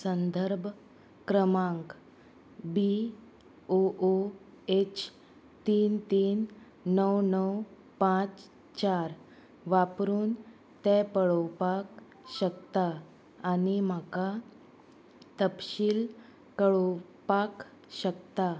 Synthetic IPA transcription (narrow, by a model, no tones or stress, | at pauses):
sənd̪ʱəɾbʱ | kɾəmãŋk | bi | oʔo | et͡ɕ | t̪iːnt̪iːnː | əwnəw | pãt͡s | t͡ɕaɾ | ʋapɾuːn | t̪ɛ̃pəɭəwpak | ɕəkt̪aː | nim̤aka | t̪əpɕiːl | kəɭə | pak | ɕəkt̪a